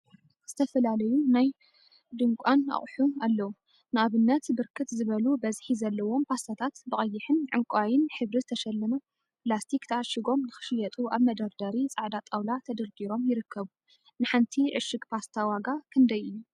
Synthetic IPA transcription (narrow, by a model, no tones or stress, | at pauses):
z̥ɨt̪ʰɐfɐlalɐjunaj | d̪ɨŋkʷʼana̰χʼħualːɐwu | nɨaβɨnːɐt̪bɨɾkʰɨt̪zɨβɐlubɐzħizɐlːɐwo̞mpʰast̪at̪ʰat̪bɨχʼɐjːɪħɨnʕɨŋkʷʼajɪnħɨβɾizɨt̪ʰɐʃɐlːɐmɐ | plast̪ʰikt̪ʰɐʕaʃɪɡo̞mnɨxɨ̥ʃɨjɐt̪ʼuaβmɐd̪ɐɾd̪ɐɾit͡sʼaʕd̪at̪ʼawlat̪ʰɐd̪ɐɾɡiɾo̞mjɪɾɨkʰːɐβu | nɨħant̪ʰiʕɨ̰ʃɨɡpʰast̪ʰawaɡakʰɨnd̪ɐjɨjːu